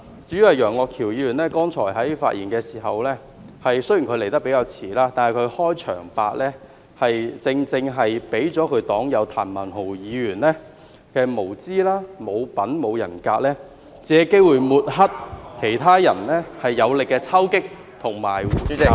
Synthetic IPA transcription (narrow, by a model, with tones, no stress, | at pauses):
t͡siː˨˥ɥy˨˥hɐ˨˩jœː˨˩ŋɔː˧kʰiː˨˩wjiː˨˧jyː˨˩nlɛː˥kɔː˥ŋt͡ʃʰɔː˨˩jɦɐ˨˥jfaː˧t̚ʔiː˨˩nkɛː˧siː˨˩ɦɐ˨wlɛː˥ | hɐ˨jsɵ˥ɥji˨˩kʰle˨˩jt̪ɐ˥pe˨˥jkaː˧wt͡sʰiː˨˩laː˥t̪aː˨nhɐ˨˩jkʰɵ˨˧ɥhɔː˥jt͡ʃʰœ̰ː˨˩ŋpa̰ː˧k̚lɛː˥ | hɐ˨jt͡sɪ˧ŋt͡sɪ˧ŋɦɐ˨jpe˨˥jt͡sɔː˨˥kʰɵ˨˧ɥt̪ɔː˨˥ŋjɐ˨˧wt̪ʰa̰ː˨˩nmɐ˨˩nɦo˨˩wjiː˨˧ɥyː˨˩nlɛː˥ | kɛː˧mo˨˩wt͡siː˥laː˥mo˨˧wpɐ˨˥nmo˨˧wjɐ̰˨˩nkaː˧t̚lɛː˥ | t͡sɛː˨˥˨ke˥jwuː˨˩jmuː˨˩t̚ɦɐ˥t̚kʰe˨˩jt̪ʰaː˥jɐ˨˩nlɛː˥hɐ˨jːɐ˨˧wlɪ˨kːɛː˧t͡sʰɐ˥wkɪ˥k̚ | t̪ʰʊ˨˩ŋmaː˨˩ju˨˥